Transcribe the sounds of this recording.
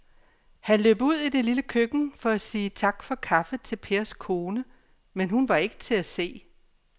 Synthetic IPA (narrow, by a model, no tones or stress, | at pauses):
hænlø̰ːb̥uð̞̰ˠid̥e̝liləkʰøɡ̥n̩fɒ̽æsiːt͡sʰɑ̈ɡ̥fɒ̽kʰɑ̈fət͡sʰe̝lpʰe̝ːɐskʰo̝ːnə | menɦunʋɑ̈e̝ɡ̥ə̥t͡sʰe̝æse̝̰ː